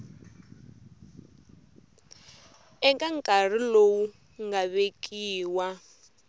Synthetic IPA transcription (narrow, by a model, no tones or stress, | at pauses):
ɛŋkʼaŋ̩kʼar̤ilowu | ŋɡaβekʼiːwa